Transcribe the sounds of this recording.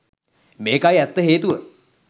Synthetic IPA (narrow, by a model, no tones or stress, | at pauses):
meːkajɛt̪ːəɦeːt̪uʋə